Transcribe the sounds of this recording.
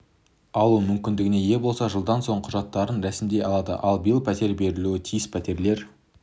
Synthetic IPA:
ɑlˠumʏmkʲɪnd̪ɪɡʲɪne̞je̞bo̞lˠsɑʒəlˠd̪ɑnso̞ɴqʰʊʒɑt̪ːɑɾənɾæsɪmd̪e̞jɑlˠɑd̪ə̰ʔɑlˠbijɪlˠpʰæt̪e̞ɾbe̞ɾɪluɪt̪ʰijɪspʰæt̪e̞ɾle̞ɾ

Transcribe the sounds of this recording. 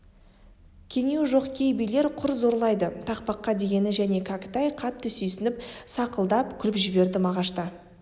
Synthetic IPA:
kʲʰe̞ŋewʒo̞qkʲʰe̞jbijle̞ɾqʰʊɾzo̞ɾlˠɑjd̪ət̪ʰɑqpɑqːɑd̪eɡʲe̞nɪʒæne̞kʰɑkʲɪ̥t̪ɑjqʰɑt̪ʰːʏsesɪnɪp̚sɑqəlˠd̪ɑp̚kʲʰʏlɪpʒɪbe̞ɾd̪ɪmɑʁɑʃt̪ɑ

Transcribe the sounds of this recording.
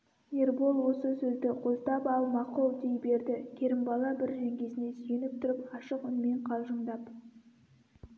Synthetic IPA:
nerbolˠwo̞səsɵzd̪ɪqʰolˠt̪ɑpɑlˠmɑqolˠd̪ejbe̞ɾd̪ɪkʲʰe̞ɾɪmbɑlˠɑbɪɾʒeŋkʲʰe̞zɪne̞sʏjenɪp̚t̪ʰʊɾɪpɑʃəqʏnme̞ɴqʰɑlˠʒəɴd̪ɑp

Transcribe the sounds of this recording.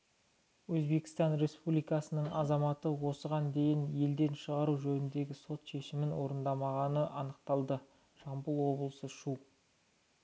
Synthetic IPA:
wɵzbe̞kʲɪ̥st̪ɑnɾe̞spublijkɑsənəɴɑzɑmɑt̪əwo̞səʁɑnd̪e̞jɪnje̞ld̪e̞nʃəʁɑɾuʒɵnɪnd̪e̞ɡʲɪso̞t̪ʃe̞ʃɪmɪnwo̞ɾənd̪ɑmɑʁɑnəʔɑnəq̚t̪ɑlˠd̪ə | ʒɑmbulˠwo̞blˠəsəʃu

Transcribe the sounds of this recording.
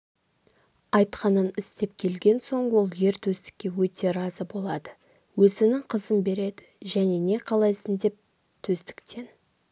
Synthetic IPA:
ɑjt̪qɑnənɪst̪e̞p̚kʲʰe̞lɡʲe̞nso̞ɴwo̞lˠje̞ɾt̪ʰɵst̪ɪ̥kʲːe̞wɵt̪e̞ɾɑzəbo̞lˠɑd̪ə | wɵzɪnɪŋqʰəzəmbe̞ɾe̞d̪ɪ̥ʒæne̞ne̞qʰɑlˠɑjsənd̪e̞p̚ | t̪ʰɵst̪ɪ̥kt̪ʰe̞n

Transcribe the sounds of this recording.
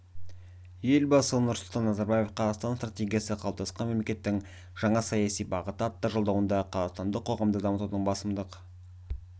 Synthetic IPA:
je̞lbɑsənʊɾsʊlˠt̪ɑnːɑzɑɾbɑje̞fqʰɑzɑʁst̪ɑnst̪rat̪ʲe̞ɡʲijasəqʰɑlˠp̚t̪ɑsqɑnme̞mle̞kʲe̞t̪ːɪŋ | ʒ̥ɑɴɑsɑjɑsijbɑʁət̪əɑt̪ːɑʒolˠd̪ɑwənd̪ɑqʰɑzɑʁst̪ɑnd̪əqʰːo̞ʁɑmd̪əd̪ɑmət̪ud̪əɴbɑsəmd̪əq

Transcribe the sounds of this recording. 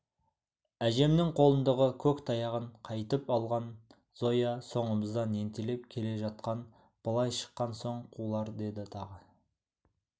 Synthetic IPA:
æʒe̞mnɪŋqʰo̞lˠənd̪əʁəkʲʰɵkt̪ʰɑjɑʁəɴqʰɑjt̪əpɑlˠʁɑn | z̥o̞jɑso̞ɴəməzd̪ɑne̞nt̪elep̚kʲʰe̞le̞ʒɑt̪̚qɑn | b̥əlˠɑjʃə̥qːɑnso̞ɴqʰulˠɑɾd̪e̞d̪ɪt̪ʰɑʁə

